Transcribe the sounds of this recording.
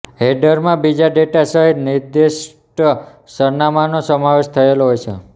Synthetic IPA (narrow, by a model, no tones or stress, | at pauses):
ɦeɖəɾmãbid͡ʒaɖeʈasəɦid̪niɾd̪iʃ | ʈ | səɾnamanosəmaʋeʃt̪ʰəeloɦojt͡ʃʰḛ